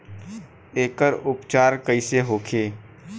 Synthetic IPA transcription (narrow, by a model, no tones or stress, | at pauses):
eːkəɾʊpt͡ʃaːɾkəɪseɦoːkʰeː